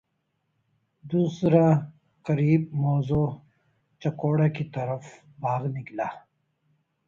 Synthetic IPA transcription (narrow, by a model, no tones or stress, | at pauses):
d̪uːsɾa | qɐɾiːb̚moːzoː | t͡ʃɐkoːɽakit̪ɐɾəf | bʱaːɣniklaː